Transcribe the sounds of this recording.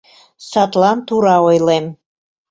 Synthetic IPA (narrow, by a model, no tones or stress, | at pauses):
sɑt̪lɑnt̪uɾɑojlem